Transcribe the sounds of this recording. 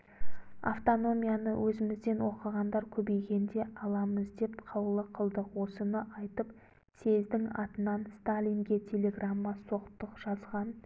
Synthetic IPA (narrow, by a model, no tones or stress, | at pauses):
a̰ft̪o̞no̞mʲijanəwʔɵzɪmɪzd̪e̞nwo̞qəʁɑnd̪ɑɾkʲʰɵbe̞jɡʲe̞nd̪e̞ʔɑlˠɑməzd̪e̞pqʰɑwlˠəqʰəlˠd̪əqwo̞sənəʔɑjt̪əp | sʰe̞zd̪ɪŋɑt̪ənɑnst̪alʲijŋɡʲe̞t̪ʲʰe̞lʲe̞ɡramːɑso̞qt̪əqʒ̥ɑzʁɑn